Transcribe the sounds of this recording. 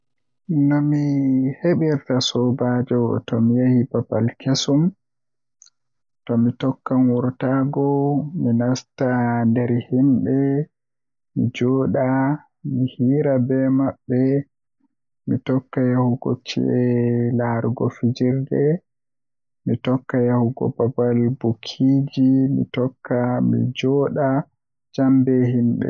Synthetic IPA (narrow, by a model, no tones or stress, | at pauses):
nɔmiheɓiɾtasɔbad͡ʒɔtɔmijahibabalkesum | tɔmitɔkːanwɔɾtaɡɔminastandɛɾhinɗɛ | mḭd͡ʒɔːɗa | mihiːɾabɛmaɓːɛ | mitɔkːajahuɡɔ̰t͡ʃɛ̰ʔɛlaɾɡɔ̰fid͡ʒiɾdɛ | mitɔkːajahuɡɔ̰babalbokʰid͡ʒimḭtɔkːamḭd͡ʒɔɗa | d͡ʒambɛhinɗɛ̰